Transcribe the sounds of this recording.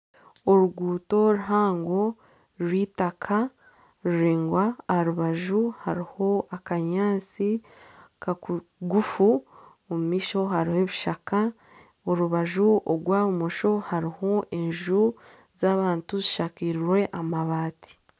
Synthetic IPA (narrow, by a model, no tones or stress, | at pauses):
oɾuɡuːto̞ɾuɦaːŋɡo̞ | ɾwiːtakʰa | ɾuɾiːŋɡwaːhaɾuβaʒuhaɾiho̞akaɲaːt͡si | kaɡufu | omumiːʃo̞ɦaɾiheβiʃaka | oɾuβaʒuoɡwaːβumoʃo̞haɾiho̞ʔe̞ɲʒu | zaːβaːntuziʃakiːɾiɾwe̞ʔamaβaːti̥